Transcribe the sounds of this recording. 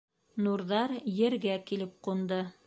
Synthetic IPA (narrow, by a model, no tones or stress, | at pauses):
nuɾðɑɾjɘ̆ɾɡækilɘp̚qund̪ɤ